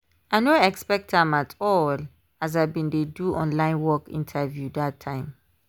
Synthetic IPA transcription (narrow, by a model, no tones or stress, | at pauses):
aɪnoɛkspɛk̚tãmatʰɔl | az̬abĩndeduʔɔ̰̃nlãɪ̃nwɔkḭ̃ntʰavjudatʰːãɪ̃m